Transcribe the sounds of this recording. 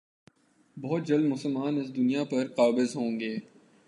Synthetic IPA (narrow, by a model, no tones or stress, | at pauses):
bɔɦːt̪̚d͡ʒɐld̪mʊsəlmaːnɪs̬d̪ʊnijapɐɾqaːbɪzɦõːŋɡeː